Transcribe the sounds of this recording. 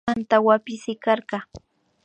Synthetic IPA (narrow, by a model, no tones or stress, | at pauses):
ant̪awapɪsɪkɑɾɢɑ